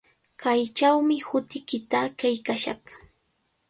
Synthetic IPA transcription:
kajt͡ʃawmɪhʊt̪ɪkɪt̪akajkaʃɑ̰χ

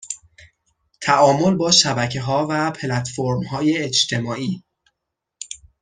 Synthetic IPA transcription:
t̪ʰæʔɒːmo̞lbɒːʃæbæcʰe̞ɦɒːvæpʰelæt̪foɾmhɒːjeːt͡ʃt̪ʰe̞mɒːiː

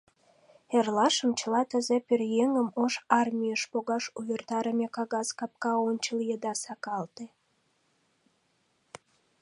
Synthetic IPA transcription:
erlɑʃəmt͡ɕəlɑt̪əzeperjeŋəmoʃɑrmʲijəʃpoɣɑʃuvert̪ɑɾəmekɑɣɑskɑp̚kɑonʲt͡ɕəljəd̪ɑsɑkɑlt̪e

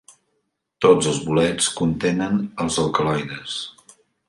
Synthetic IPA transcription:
t̪od͡zəlˠzβulɛt͡skunt̪enənəlˠzəlˠkəlajðəs

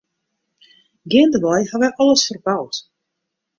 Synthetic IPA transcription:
ɡɪːndəʋɔjhaʋɛʔɔləsfərbawt

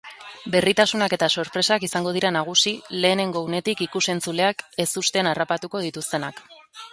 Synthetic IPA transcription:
be̞rit̪asunake̞t̪aso̞ɾpɾe̞sakisaŋɡo̞ð̞iɾanaɣ̞usile̞ːne̞ŋɡo̞une̞t̪ikikuse̞nt͡sule̞ake̞sust̪e̞narapat̪uko̞ð̞it̪ust̪e̞nak

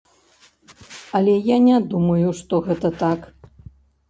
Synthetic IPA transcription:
ɐlʲɛjanʲɛd̪umɐjuʂt̪ɔɣɛt̪ɐt̪ak

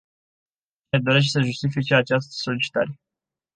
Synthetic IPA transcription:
t͡ʃined̪o̞ɾeʃ̬səʒust̪ifit͡ʃeat͡ʃast̪ə̥so̞lit͡ʃi̥t̪a̰ɾe

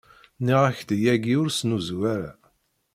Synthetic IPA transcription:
niʁaçd̪jæɡiʊɾsnuzwæɾæ̰

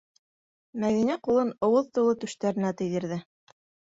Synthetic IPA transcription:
mæðinæqulˠɤnŏwɤðt̪ulˠɤt̪ʉ̆ʃt̪æɾɘ̆næt̪ɘ̆jðɘ̆ɾðɘ

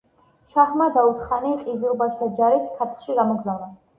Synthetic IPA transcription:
ʃaχmad̪aut̪ʰχaniqʼizuɾbaʃd̪ʰad͡ʒaɾit̪ʰkʰat̪ʰlʃiɡamɔɡzavna

